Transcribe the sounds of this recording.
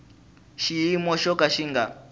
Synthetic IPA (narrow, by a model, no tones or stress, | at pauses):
ʃiimɔʃɔkaʃiŋɡa̰